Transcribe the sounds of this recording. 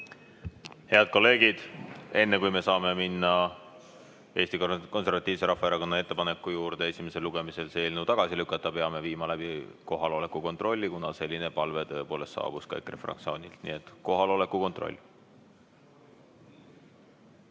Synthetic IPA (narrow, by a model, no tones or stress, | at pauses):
he̞ɑd̪̥̚ko̞lːe̞ːɡ̥id̪̥e̞nːe̞kujme̞sɑːme̞minːɑ | e̞ːst̪ikko̞nservɑt̪ːˑiːvse̞ɾɑfːɑeɾɑko̞nːɑe̞t̪ːe̞pɑne̞kːˑujuːrd̪̥e̞e̞sime̞se̞lːuɡ̥e̞mise̞lse̞ːlnut̪ɑɡ̥ɑsilykːˑɑt̪ːˑɑpeɑme̞viːmɑlæb̥iko̞ɦɑlo̞le̞kːuko̞nt̪ˑro̞lʲːikunɑse̞lʲːine̞pɑlve̞t̪ɤepo̞ːle̞st̪ːɑ̰ːb̥uskɑ̰jkːrefrɑ̰kt̪sio̞ːnʲilt̪nḭe̞t̪ko̞ɦɑlo̞le̞kːˑuko̞nt̪ˑro̞̰lʲː